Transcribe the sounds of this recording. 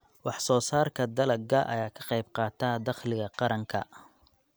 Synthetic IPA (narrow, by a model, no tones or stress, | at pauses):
wɑħsɔːsaːrkʰɐd̪ɐlɐɡɐʔɐ̰jaːkʰɑ̥qɑjbqɑːt̪ʰaːd̪ɑχlɪɣɐqɑɾɐŋkʰɐ̰